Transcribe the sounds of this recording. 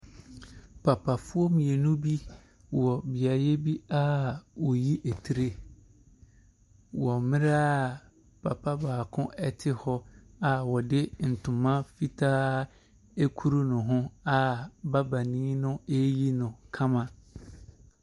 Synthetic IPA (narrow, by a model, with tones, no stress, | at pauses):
pʰa˨pʰa˨fʊ˦ɔ˦m̃˨je˨nũ˦bi˦ | wɔ˨bɪ˨a˨je˦bi˦a˦wɔ˨ji˦ʔe˨tʰi˨ɾe˦ | wɔ˨mɪ̃˦ɾa˦˨ | pʰa˨pʰa˦baː˨kʰʊ̃˦ʔɛ˦tʰɪ˦hɔ˦a˨wɔ˨dɪ˦n̩˨tʰʊ̃˨mã˦fi˦tʰaː˦ | e˦kʰu˦ɾu˦nʊ̃˨ɦʊ̃˦a˨ba˦ba˨nĩ˦nʊ̃˦e˦ji˦nʊ̃˨kʰã˦mã˨